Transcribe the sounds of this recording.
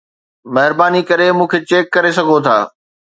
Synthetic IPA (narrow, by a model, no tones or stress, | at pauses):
mɐɦɪɾbaːnikɐɾemũːkʰet͡ɕeːkːɐɾesɐɡʱot̪ʰa̰ː